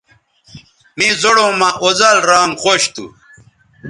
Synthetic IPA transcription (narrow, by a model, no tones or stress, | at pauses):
mizoɽõmaʔozɐlɾaːŋχoɕt̪ṵ